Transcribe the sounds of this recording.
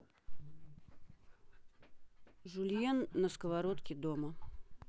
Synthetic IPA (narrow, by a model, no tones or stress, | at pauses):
ʐulʲjenːəskəvaɾot̪kʲɪd̪omə